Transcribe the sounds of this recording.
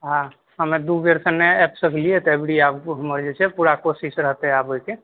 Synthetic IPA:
ɦã | ɦəmed̪uɡeɾsənːeɛpsəkliɛt̪ebɽiabɦəməɾd͡ʒet͡ʃʰɛpuɾakosisɾəɦt̪ɛabojke

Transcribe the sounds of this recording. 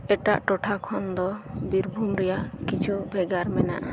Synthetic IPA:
ɛʈaʔʈɔʈʰakʰɔnd̪ɔbiɾbʱumɾɛjaʔkit͡ʃʰubʱɛɡaɾmɛna̰ʔa

